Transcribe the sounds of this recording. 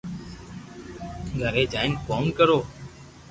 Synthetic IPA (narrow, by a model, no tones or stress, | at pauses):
ɡʱəɾeːd͡ʒaːɪnkoːnkəɾoː